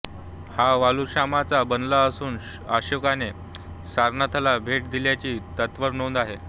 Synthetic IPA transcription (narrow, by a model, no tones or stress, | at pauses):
haʋaluɕamat͡sabənlaəsuːn | a̰ɕokane | saɾnat̪ʰəlabʱeʈ̚d̪iljat͡ɕiːt̪ət̪ʋəɾnond̪aɦe